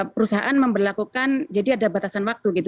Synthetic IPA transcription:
pəɾusaɦa̰ʔanməmbərlakukand͡ʒadiadabat̪asanwak̚t̪uɡit̪u

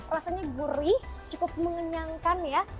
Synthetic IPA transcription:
rasaɲaɡuɾɪht͡ʃukʊp̚məŋəɲaŋkanja

